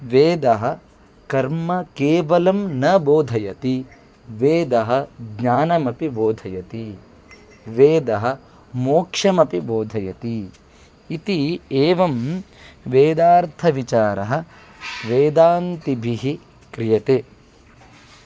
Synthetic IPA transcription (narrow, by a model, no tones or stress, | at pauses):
ʋeːd̪ɐɦɐ̆ | kɐɾmɐkeːʋɐlɐmnɐboːd̪ʱɐjɐt̪i | ʋeːd̪ɐɦɐ̆ɡɲaːnɐmɐpiboːd̪ʱɐjɐt̪i | ʋeːd̪ɐɦɐ̆ | moːkʂɐmɐpiboːd̪ʱɐjɐt̪iː | t̪ieːʋɐm | ʋeːd̪aːɾt̪ʰɐʋit͡ʃaːɾɐɦɐ̆ | ʋeːd̪aːnt̪ibʱiɦi | kɾijɐt̪eː